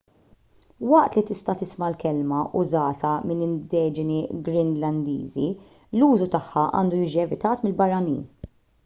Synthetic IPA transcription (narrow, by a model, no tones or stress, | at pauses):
wɐʔt̪lit̪ɪst̪ɐt̪ɪsmɐlkɛlmɐʔʊzɐːt̪ɐmɪnɪnd̪ɛːd͡ʒɪniɡɾɪnlɐnd̪ḭːzi | luːzut̪ɐħːɐʔɐ̰ːnd̪ujiːd͡ʒiɛvɪt̪ɐːt̪mɪlbɐrːɐnḭːn